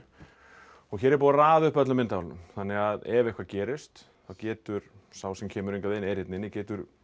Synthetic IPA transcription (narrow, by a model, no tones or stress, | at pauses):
ɔɣçɛːɾɛɾp̬uːðaɾaːðʏhpœt̪lʏmɪnt̪aalnʏ̰mθanːɪɣaðɛvɪɛhkʰvacɛːɾɪst̪ | θaðcɛːt̪ʏɾ̥ | sawsɛmcʰɛːmʏɾejŋkaðeɪnːejɾɪt̪nɪnːɪcɛːt̪ʏɾ